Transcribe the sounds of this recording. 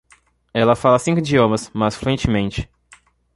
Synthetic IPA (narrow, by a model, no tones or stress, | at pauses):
ɛlɐfalɐsĩŋkʊid͡ʒiõmɐsmɐsfluẽt͡ʃɪmẽnt͡ʃɪ̥